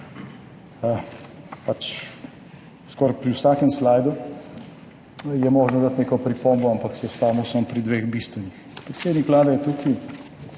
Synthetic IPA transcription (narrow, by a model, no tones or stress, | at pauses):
əpat͡ʃ | skɔɾpɾiwsaːkɛmslajd̪u | jɛmɔːʒnɔd̪at̪neːkɔpɾipombɔampaksɛjɛsp̪aːmɔsɔmpɾid̪ʋeːxbist̪ʋɛnixpɾɛt̪seːd̪nikʋlaːd̪ajɛt̪uːkʰi